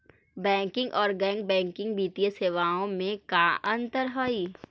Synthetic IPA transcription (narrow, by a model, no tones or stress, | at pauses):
bɛ̃ːŋkɪ̃ŋɡʔɔːɾɡɛ̃ːŋɡ̚bɛ̃ːŋkɪ̃ŋɡ̚biːt̪ijəseːʋaːõmẽkaʔə̃nt̪əɾɦoiː